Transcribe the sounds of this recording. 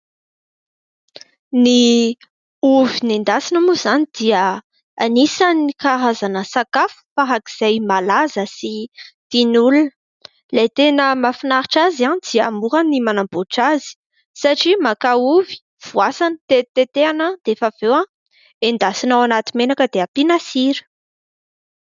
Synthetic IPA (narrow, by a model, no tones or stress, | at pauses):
ni | uvinend̪asinəmuz̥anid̪̥iə | anisanikaɾazanəsakafu̥faɦaki̥z̥ajmalazəsit̪inulunə | lejt̪enəmafinaɾiʈ͡ʂazanid̪̥iaːmuɾanimanamboʈ͡ʂazi̥ | saʈ͡ʂimakauvi̥ | v̥uasant̪et̪et̪eanəd̪̥efav̥ewã | end̪asinawanat̪imenakəd̪eapinasiɾə̥